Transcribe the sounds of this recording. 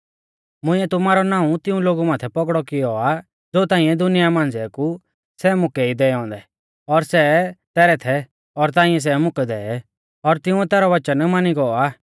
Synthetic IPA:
mʊ̃ɪ̃ɛt̪ʊmaːɾɔnãːũt̪ɪũloːɡumaːt̪ʰɛpɔɡɽɔkɪjɔa | d͡zoːt̪aːĩɛ̃d̪ʊnɪjamãːnd͡zɛku | sɛmʊkɛid̪ɛːɔ̃ːnd̪ɛ | ɔɾsɛt̪ɛːɾɛt̪ʰɛ | ɔɾt̪̬ãːĩɛ̃s̬ɛmʊkɛd̪ɛːɛ | ɔɾt̪ɪũɛt̪ɛːɾɔʋɐt͡ʃənmaniɡɔaː

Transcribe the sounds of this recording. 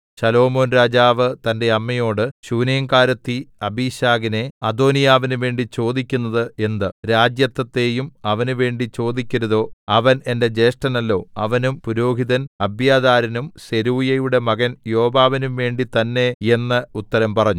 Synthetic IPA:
ɕɐlo̞ːmo̞ːnɾaːd͡ʑaːʋɨt̪ɐnde̞ɐmːɐjo̞ːɽɨɕuːnɐjɐŋkaːɾɐt̪ːiɐbʱiːɕaːɡine̞ɐd̪o̞ːnijaːʋinuʋe̞ːɳɖit͡ɕo̞ːd̪ikʲːunːɐðɨe̞nd̪ɨɾaːd͡ʑjɐt̪ːɐt̪ːe̞ːjumɐʋɐnuʋe̞ːɳɖit͡ɕo̞ːd̪ikʲːɐɾɐðo̞ːɐʋɐne̞nde̞d͡ʑe̞ːʂʈɐnɐlːo̞ːɐʋɐnumpuɾo̞ːɦiðɐnɐbʱjaːd̪aːɾɐnumse̞ɾuːjɐjuɽe̞mɐɣɐnjo̞ːbaːʋinumʋe̞ːɳɖit̪ɐnːe̞e̞nːɨut̪ːɐɾɐmpɐrɐɲːu

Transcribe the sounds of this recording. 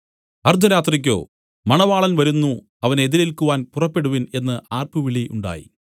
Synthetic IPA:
ɐrd̪ʱɐɾaːt̪rik̬ʲːo̞̰ː | mɐɳɐʋaːɭɐnʋɐɾunːu | ɐʋɐneðiɾilkuʋaːnpurɐpːe̞ɽuʋine̞nːɨʔaːrpɨʋiɭiʔuɳɖa̰ːjḭ

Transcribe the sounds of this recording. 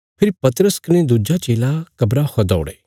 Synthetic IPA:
pʰɪɾipɐt̪ɾəskɐñed̪ud͡ʒat͡ʃeːlakɐbɾahɔd̪ɔ̰ːɽeː

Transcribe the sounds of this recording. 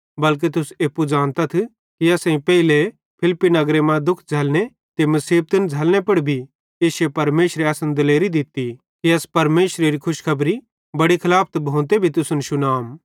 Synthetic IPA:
bɐlk̬et̪̬ʊseːpːud͡ʒãːnt̪at̪ʰ | kiɐsĩpɛːɪle | pʰɪlpːinɐɡɾemãd̪ʊkʰd͡zʱɐlne | t̪emɐsiːb̚t̪ɪnd͡zʱɐlnepɐɽibʱi | eːʃepɐɾmeːʃɾeasənd̪ɐleːɾid̪ɪt̪i | kiɐspɐɾmeːʃɾeɾikʰʊʃkʰɐbɾi | bɐɽikʰɐlaːpʰt̪bʱõːnt̪ebʱit̪ʊsʊnʃʊnaːm

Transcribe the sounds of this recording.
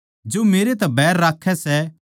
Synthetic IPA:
d͡ʒoːmeːɾet̪ɛbɛːɾːaːkʰːɛsɛ

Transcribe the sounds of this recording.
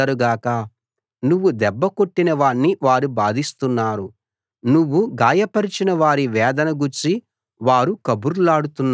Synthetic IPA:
ɐɾuɡaːkɐ | nuʋːud̪ɛbːɐko̞ʈːinɐʋaːɳːiʋaːɾubaːd̪ist̪unːaːɾu | nuʋːuɡaːjɐpɐɾit͡ʃinɐʋaːɾiʋɛːd̪ɐnɐɡuɾt͡ʃi | ʋaːɾukɐbuɾlaːɽut̪unː

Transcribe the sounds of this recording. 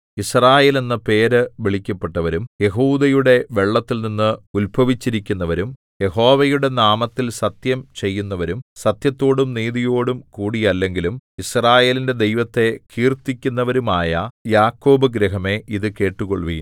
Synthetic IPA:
israːje̞ːlninːɐpe̞ːɾɨʋiɭikʲːɐpːeʈːɐʋɐɾumje̞ɦuːd̪ɐjuɽe̞ʋe̞ɭːɐt̪ːilninːɨulbʱɐʋit͡ɕːiɾikʲːunːɐʋɐɾum | je̞ɦo̞ːʋɐjuɽe̞naːmɐt̪ːilsɐt̪jɐmt͡ɕe̞jːunːɐʋɐɾumsɐt̪jɐt̪ːo̞ːɽumniːðijo̞ːɽumkuːɽijɐlːe̞ŋɡilumisraːje̞ːlinde̞d̪e̞jʋɐt̪ːe̞kʰiːrt̪ːikʲːunːɐʋɐɾumaːjɐjaːkːo̞ːbɨɡɾɐɦɐme̞ʔiðɨke̞ːʈːuɣo̰ɭʋḭn

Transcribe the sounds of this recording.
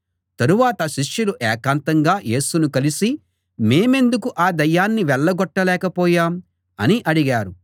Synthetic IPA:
t̪ɐɾuʋaːt̪ɐʃiʂjuluʔɛːkaːnt̪ɐŋɡaːje̞ːsunukɐlisi | me̞ːme̞nd̪ukuʔaːd̪ɐjːaːnːiʋɛɭːɐɡɔʈːɐlɛːkɐpɔːjaːm | ɐniʔɐɽiɡaːɾu

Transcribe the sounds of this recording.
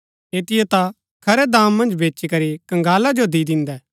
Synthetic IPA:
eːt̪ɪjɛt̪a | kʰɐɾɛd̪ãːmːɐ̃nd͡ʒbeːt͡ʃikɐɾikɐ̃ŋɡaːlad͡ʒod̪id̪ɪ̃nd̪ɛː

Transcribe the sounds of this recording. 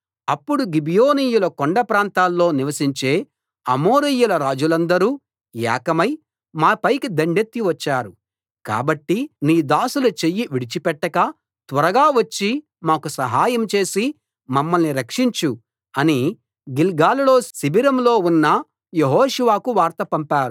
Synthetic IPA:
ɐpːuɽuɡibijoːniːjulɐkoɳɖɐpɾaːnt̪aːlːo̞ːniʋɐsiɲt͡ʃe̞ː | ɐmoːɾijulɐɾaːd͡ʒulɐnd̪ɐɾuː | ja̰ːkɐmɐj | maːpɐjkid̪ɐɳɖet̪ːiʋɐt͡ʃːaːɾu | ka̰ːbɐʈːiniːd̪aːsulɐt͡ʃejːiʋiɽit͡ʃipɛʈːɐkɐ | t̪ʋɐɾɐɡaːʋɐt͡ʃːi | maːkusɐɦaːjɐmt͡ʃe̞ːsi | mɐmːɐlniɾɐkʂiɲt͡ʃu | ɐni | ɡilɡaːlulo̞ːsibiɾɐmlo̞ːunːɐ | jeɦoːʃuʋaːkuʋaːɾt̪ɐpɐmpaːɾu

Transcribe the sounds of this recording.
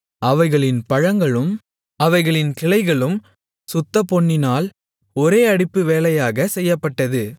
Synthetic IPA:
ʔɐʋɐɪɣɐɭɪnpɐɻɐŋɡɐɭɯm | ɐʋɐɪɣɐɭɪnkɪɭɐɪɣɐɭɯm | sʊt̪ːɐpɔɳːɪnaːl | ɔɾeːɐɽɪpːɯʋeːlɐjaːɣɐsɛjːɐpːɐʈːɐðɯ

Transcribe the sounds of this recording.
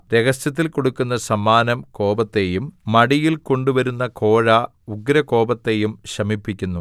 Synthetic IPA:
ɾe̞ɡɐsjɐt̪̬ːilko̞ɽukːunːɐsɐmːaːnɐmko̞ːbɐt̪ːe̞jumːɐɽijilko̞ɳɖuʋɐɾunːɐko̞ːɻɐ | uɡɾɐko̞ːbɐt̪ːe̞jumɕrɐmipːikʲːunːu

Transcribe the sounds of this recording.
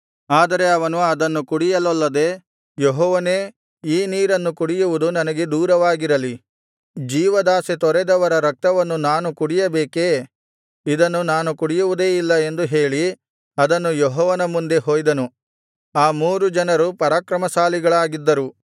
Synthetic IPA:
aːd̪ɐɾe̞ɐʋɐnuɐd̪ɐnːukuɽijɐlɐlːɐd̪e̞ː | joɦɔːʋɐneː | iːniːɾɐnːukuɽijuʋud̪unɐnɐɡe̞d̪uːɾɐʋaːɡiɾɐli | d͡ʒiːʋɐd̪aːset̪ɔɾɛd̪ɐʋɐɾɐɾɐk̚t̪ɐʋɐnːunaːnukuɽijɐbeːke | id̪ɐnːunaːnukuɽijuʋud̪e̞ːilːɐe̞nd̪uɦe̞ːɭi | ɐd̪ɐnːujɔɦɔːʋɐnɐmund̪e̞ɦoːjd̪ɐnu | aːmuːɾud͡ʒɐnɐɾupɐɾaːkɾɐmɐsaːliɡɐɭaːɡid̪ːɐɾu

